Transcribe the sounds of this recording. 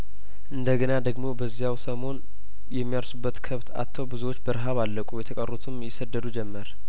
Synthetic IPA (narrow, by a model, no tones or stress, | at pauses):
ʔɨnd̪əɡənad̪əɡmo̞bəzːijawsəmo̞n | jɛmːijaɾsubːət̪kʰəβt̪ʰa̰t̪ʰːəwbɨzuwot͡ʃːbəɾɦaβalːəkʷʼujɛt̪ʰəkʼərːot̪ʰɨmjɪsəd̪ːəd̪ud͡ʒɛmːəɾ